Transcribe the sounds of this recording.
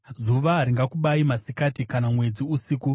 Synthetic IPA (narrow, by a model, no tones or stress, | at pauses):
zuʋaɾiŋɡakuɓaimasikatikanamwe̞d͡ziusiku